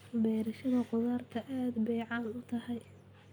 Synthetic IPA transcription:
bɛːɾɐʃɐðɐqʊðaːrt̪ʰɐʔaːd̪bɛːʕɑːnʊt̪ʰɐɦɛj

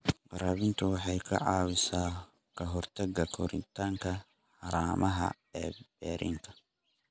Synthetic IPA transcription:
qɑɾɐːβɪnt̪ʰʊwɑħɑjkʰɐ̰ʕɑːwɪsaː | kʰɐɦɔrt̪ʰɐɡɐkʰɔɾɪ̰nt̪ʰaːŋkʰɐ | ħɑɾaːmʔɐɦɐ̰ | ɛːb̥ɛːɾʔḭŋk̪ʰɐ̥

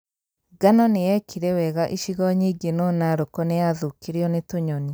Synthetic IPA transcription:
ɡanɔnejɛkʰiɾɛwɛɣaʔiʃiɣɔɲiɡenɔnaɾokonejaðukiɾiɔnetoɲɔni

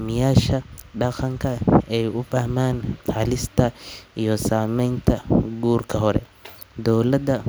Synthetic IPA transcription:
mɪjaːʃɐɖɑqɑŋkʰɐɛjʊfaːmaːnħɐlɪst̪ʰɐijɔsaːmɛjnt̪ʰɐɡuːrkʰɐɦɔɾɛ̰ | d̪ɔwlɐd̪ɐ

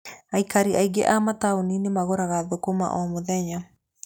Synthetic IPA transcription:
aikaɾiʔaiɡḛʔamataoninemaɣoɾaɣaðokoma̰ʔɔmoðɛɲa

